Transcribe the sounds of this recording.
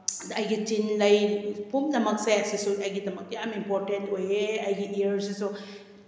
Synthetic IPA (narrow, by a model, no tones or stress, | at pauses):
ɐjɡitinlɐjpʰumdɐmɐk̚sesisuɐjɡidɐmɐk̚dijamimpoɾtentojeɐjɡiʔiəɾsiso